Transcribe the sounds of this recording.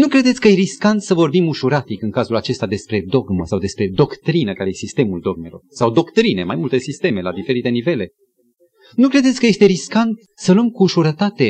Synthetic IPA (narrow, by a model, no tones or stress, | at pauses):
nukɾe̞d̪et̪sʲkəjeɾiskant̪səvo̞rbimuʃuɾat̪ikɨŋkazulat͡ʃe̞st̪ad̪e̞spɾe̞d̪o̞ɡməsawd̪e̞spɾe̞d̪o̞kt̪ɾinəkaesist̪e̞muld̪o̞ɡ̚me̞lo̞̰rsawd̪o̞kt̪ɾine̞majmult̪e̞sist̪e̞me̞lad̪ife̞ɾit̪e̞nive̞le̞ | nukɾe̞d̪et̪sʲkəje̞st̪e̞ɾiskant̪ | səluəmkuːʃuɾət̪at̪e̞